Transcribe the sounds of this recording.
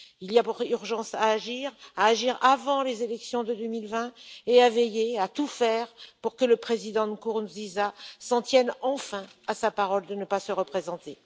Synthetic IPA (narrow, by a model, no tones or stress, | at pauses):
ilijapuʁyʁʒɑ̃saːʒiʁaːʒiʁavɑ̃lezelɛksjɔ̃d̪əd̪ømilvɛ̃eavɛjeat̪ufɛʁpuʁkələpχezid̪ɑ̃nkuʁnzizasɑ̃t̪jɛnɑ̃fɛ̃asapaʁɔld̪ənəpasəʁəpχezɑ̃t̪e